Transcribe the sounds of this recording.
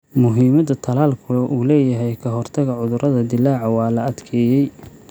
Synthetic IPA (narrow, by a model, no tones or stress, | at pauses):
mʊɦiːmɐd̪ɐt̪ʰɐlaːlkʰʊʔuːlɛːjɐɦɛjkʰɐɦɔrt̪ʰɐɣɐʕʊðʊɾʔɐðɐd̪ɪlːaːʕɐwɑːlɐɐd̪kʰɛːjɛj